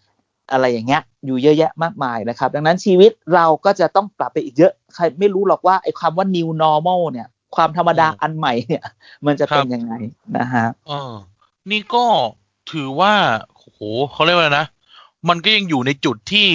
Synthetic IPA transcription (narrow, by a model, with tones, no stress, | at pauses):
ʔa˧ɾa˧jːaː˨˩ŋːi˦˥ɐ | juː˨˩jɤ˦˥ʔjɛ˦˥ʔmaː˥˩k̚maː˧jna˦˩kʰa˦˥p̚da˨˧ŋna˦˥nt͡ɕʰiː˧wi˦˥t̪̚ɾa˧wkɔː˥˩t͡ɕa˨˩ʔt̪ɔ˥˩ŋpɾa˨˩pːa˧jʔiː˨˩k̚jɤ˦˥ʔkʰa˧jma˥˩jɾuː˦˥lɔː˨˩k̚waː˥˩ʔa˧˩jkʰwaː˧mwaː˥˩ni˧wnɔː˦˥mɔ˥˩wni˥˩ɐ | kʰwaː˧mt̪ʰa˧mːa˧daː˧ʔa˧nma˨˩jni˥˩ɐ | ma˧nt͡ɕa˨˩ppe˧nja˧ŋːa˧jna̰˦˥kʰa˦˥ʔɤː˧ | niː˥˩kɔː˥˩ | t̪ʰɯː˩˦waː˥˩o˧˩hoː˩˦xʰa˥˩wɾkla˧jna˦˥ʔ | ma˧nkɔː˥˩ja˧ŋjuː˨˩na˧jt͡ɕu˨˩t̪ʰːiː˥˩